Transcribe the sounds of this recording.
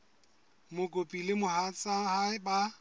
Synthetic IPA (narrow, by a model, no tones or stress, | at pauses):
mʊkʼopʼilɪmʊhat͡sʼahaba